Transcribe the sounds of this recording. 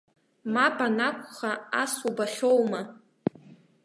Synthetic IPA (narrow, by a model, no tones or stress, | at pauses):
mapʼanakʷʰʼχaasubaχʲo̞wma